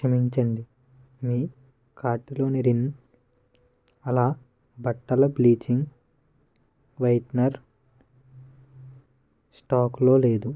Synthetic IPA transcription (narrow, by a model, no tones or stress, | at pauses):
ʂɐmiɲt͡ʃɐɳɖi | miː | kʰaːʈulo̞ːniɾin | ɐlaː | bɐʈːɐlɐbliːt͡ʃiŋɡ | ʋɐjʈnɐɾ | sʈaːklo̞ːle̞ːd̪u